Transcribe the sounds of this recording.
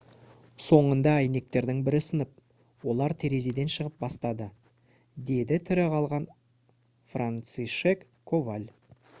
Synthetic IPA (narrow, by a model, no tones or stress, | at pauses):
so̞ɴənd̪ɑæjne̞k̚t̪e̞ɾd̪ɪŋbɪɾɪsənəp̚ | wo̞lˠɑɾt̪ʰeɾe̞ze̞d̪e̞nʃəʁəp̚bɑst̪ɑd̪ə | d̪e̞d̪ɪt̪ʰʏɾɪqʰɑlˠʁɑn | frant̪siʃek | kʰːo̞valʲ